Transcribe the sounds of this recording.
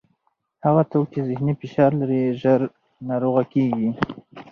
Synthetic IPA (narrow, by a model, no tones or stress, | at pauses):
haɣat̪oɡ̚t͡ʃezɪhnifɪʃɑɾlaɾiʒəɾ | nɑɾoɣakeɡi